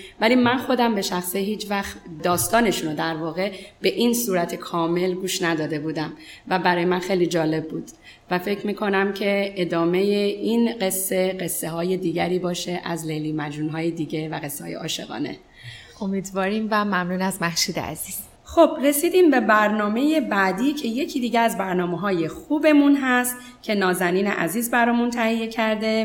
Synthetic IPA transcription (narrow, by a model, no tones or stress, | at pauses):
vælimænxo̞d̪æmbe̞ʃæxsiɦiːt͡ʃvæxt̪d̪ɒːst̪ɒːne̞ʃunod̪æɾvɒːɣe̞be̞ʔinsuːɾæt̪ʰe̞kʰɒːme̞lɡuːʃnæd̪ɒːd̪e̞buːd̪æmvæbæɾɒːjemænxe̞jlid͡ʒɒːle̞bːuːd̪̥ | væfe̞cʰmiːkʰo̞næmcʰe̞ed̪ɒːme̞jeʔinɢe̞sːe̞ɢe̞sːeɦɒːje̞d̪iːɟæɾiːbɒːʃe̞ʔæzleliːmæd͡ʒunɦɒːjed̪iːɟe̞væɣe̞sːehɒ̰ːjḛʔɒːʃe̞̰ɣɒ̰ːne̞̰ | ʔomiːd̪vɒːɾiːmvæmæmnuːnæzmæhʃuːd̪eæ̰z̥iːz̥ | xo̞b̥ɾe̞siːd̪iːmbe̞bæɾnɒːme̞je̞bæd̪iːcʰe̞je̞cʰiːd̪iːɟeæzbæɾnɒːmeɦɒːje̞xuːbe̞munɦæst̪ | cʰe̞nɒːzæniːnḛʔæziːzbæɾɒːmunt̪ʰæhije̞cʰæɾd̪e̞